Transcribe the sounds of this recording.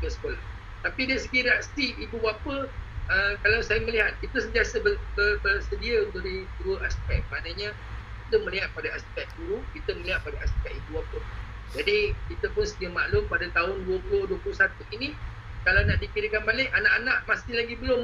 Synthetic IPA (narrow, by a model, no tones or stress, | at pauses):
kəsə̥kolah | t̪apidaisəɡiɾiaʔsiːbuapəəkalawsajaməliɦat̪̚kit̪usənt̪iasəbəbərbərsədiaunt̪ʊʔdit̪ɾuəaspɛk̚manaɲã | kit̪əmə̃liɦat̪̚padaast̪ikat̪̚ɡuɾukit̪əməliɦat̪̚padaask̪ikat̪̚ibuapə | d͡ʒadikit̪əpʊnsədiəmaʔlʊmpadat̪aɦʊnduəpulʊhduəpulʊhsat̪uinĩ | kalawnaʔdikiɾəkanbalɪkanaʔanãʔmasɪhlaɡibəlʊm